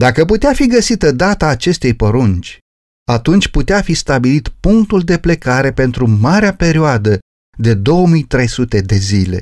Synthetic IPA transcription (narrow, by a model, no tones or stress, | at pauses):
d̪akəput̪eafiɡəsit̪əd̪at̪aːt͡ʃe̞st̪e̞jpoɾunt͡ʃʲ | at̪unt͡ʃʲput̪eafist̪abilit̪puŋk̚t̪uld̪e̞ple̞kaɾe̞pe̞nt̪ɾumaɾeape̞ɾioad̪ə | d̪e̞d̪o̞wəmijt̪ɾe̞jsut̪e̞d̪e̞zile̞̰